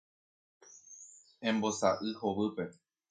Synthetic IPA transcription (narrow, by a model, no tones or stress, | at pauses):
ẽ̞mbo̞saʔɨhoβɨpe̞